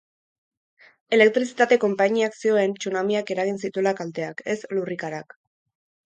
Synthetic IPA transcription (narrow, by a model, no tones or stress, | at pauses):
e̞le̞k̚t̪ɾisit̪at̪e̞ko̞mpaɲiaksio̞e̞nt͡ʃunamiake̞ɾaɣ̞insit̪ulakalt̪d̪e̞ake̞slurikaɾak